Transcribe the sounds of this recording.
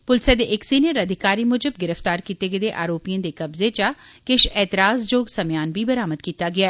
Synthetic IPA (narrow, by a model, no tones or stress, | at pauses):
pʊlsjad̪eːʔɪksiːnijəɾəd̪ʱɪkaːɾiːmʊd͡ʒəbɡɪɾəft̪aːɾkiːt̪eɡəd̪eːʔaːɾoːpijãːd̪eːkɐbzet͡ʃakɪʃɛːt̪ɪɾaːzd͡ʒoːɡsɐmjaːnbiːbəɾaːməd̪̚kiːt̪aːɡɪaː